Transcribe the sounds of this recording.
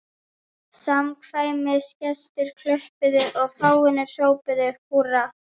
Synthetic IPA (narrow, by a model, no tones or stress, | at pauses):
samkʰvaːjmɪscɛst̪ʏɾ̥kʰlœhpɪðʏʔɔɣfaːwɪnɪ̥sjoːwpɪðʏpura